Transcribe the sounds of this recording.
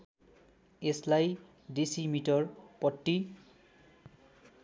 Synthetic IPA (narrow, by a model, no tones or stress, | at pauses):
eslaj | disimitɔɹpɔtːi